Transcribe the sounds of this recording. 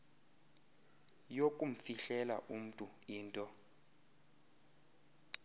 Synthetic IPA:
jokʼum̩fiɬɛla̰ʔum̩tʼu | iːntʼɔ

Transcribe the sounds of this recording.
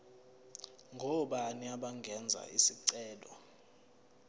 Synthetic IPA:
ŋɡʱɔɓaniaɓaŋɡʱɛnd͡zʱa̰isiǀɛːlɔ̰

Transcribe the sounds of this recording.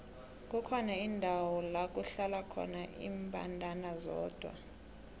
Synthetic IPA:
k̬ʼukʰɔnaindʱawɔlak̬ʼuɬalakʰɔ̰naʔḭːmpʼa̰ntʼanazɔ̰ːd̥ʱwa̰

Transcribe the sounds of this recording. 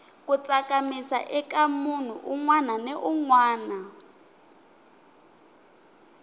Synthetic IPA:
kut͡sakamisa̰ʔɛkamun̤ṵʔuŋwananɛʔuŋwaːna

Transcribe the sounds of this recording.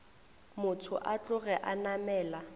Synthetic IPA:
mʊtʰʊʔat͡ɬʊɣɛʔanamɛːla

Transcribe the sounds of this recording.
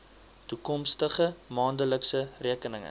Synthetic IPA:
tukɔmstəχəmɑːndələksəriəkənəŋə̰

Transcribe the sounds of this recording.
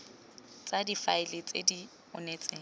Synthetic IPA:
t͡sʼadifaɪlɪt͡sʼḛdi | ʊ̰neːt͡sʼeːŋ̩

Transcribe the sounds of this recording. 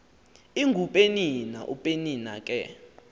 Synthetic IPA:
iŋɡʱupʼenina̰ʔupʼenina̰kʼɛ

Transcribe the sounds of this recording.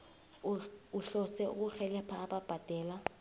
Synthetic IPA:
uɬɔsɛṵk̬uxɛlɛpʰaːɓab̥ʱad̥ʱɛːla

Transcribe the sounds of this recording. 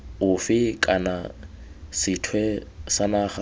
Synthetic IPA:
ʊfɪkʼana | sɪtʰwɛsanaːχa

